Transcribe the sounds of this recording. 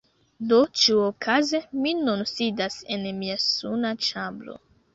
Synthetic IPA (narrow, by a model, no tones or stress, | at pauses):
do̞t͡ʃiuokʰazeminunsidase̞nmiasunat͡ʃablo̞̰